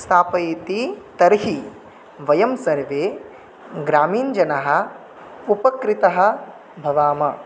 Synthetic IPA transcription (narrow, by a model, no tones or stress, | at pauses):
st̪ʰaːpɐjit̪it̪ɐɾɦi | ʋɐjɐmsɐɾʋeː | ɡɾaːmiːnd͡ʒɐnɐɦɐ̆ | upɐkɾit̪ɐɦɐ̆ | bʱɐʋaːmɐ